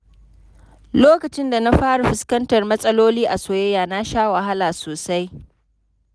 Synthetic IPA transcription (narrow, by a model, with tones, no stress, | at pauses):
loː˦kɐ˨t͡ʃɪ˦nda˨na˦ɸaː˦ɽu˨ɸɪ˦skɐ˦ntɐ˨rmɐ˦sʼɐ˦loː˦liː˦ʔa˨soː˨jɐ˦jaː˨na˦ʃaː˦wa˨ɦa˦laː˨soː˨sa˦j